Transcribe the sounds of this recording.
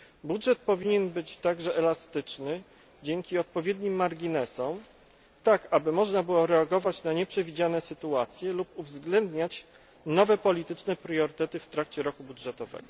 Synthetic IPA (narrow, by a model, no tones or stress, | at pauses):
budʐɛt̪̚pɔvʲiɲɛnbɘt͡ɕt̪aɡʐɛʔɛlast̪ɘt͡ʂnɘ | d͡ʑɛŋkʲiɔt̪̚pɔvʲjed̪ɲimːaɾɡʲinɛsɔm | t̪akabɘmɔʐnabɘwɔɾɛaɡɔvat͡ɕnaɲɛpʂɛvʲid͡ʑanɛsɘt̪uat̪sʲjɛlupuvzɡlɛnd̪ɲat͡ɕ | nɔvɛpɔlʲit̪ɘt͡ʂnɛpɾjɔɾɘt̪ɛt̪ɘft̪ɾakt͡ɕɛɾɔkubudʐɛt̪ɔvɛ̰ɡ̥ɔ